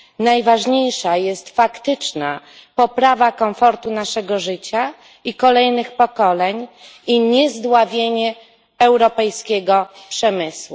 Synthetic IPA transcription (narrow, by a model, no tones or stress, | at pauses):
najvaʐɲejʂajɛst̪fakt̪ɘt͡ʂna̰pɔpɾavakɔmfɔɾt̪unaʂɛɡɔʐɘt͡ɕa | ikɔlɛjnɘxpɔkɔlɛɲiɲɛzd̪wavʲjeɲɛ | ɛwɾɔpɛjskʲeɡɔpʂɛmɘswu